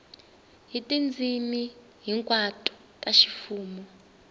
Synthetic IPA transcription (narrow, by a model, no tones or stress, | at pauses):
ɦitʼind͡zʱimi | ɦiŋkʼwatʰʼɔ̥ | kʼaʃi̥fuːmɔ